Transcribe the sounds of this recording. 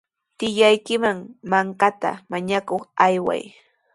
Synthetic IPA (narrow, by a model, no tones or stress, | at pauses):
t̪ɪʎajkɪmaŋmaŋkat̪a̰maɲakoχajwa̰j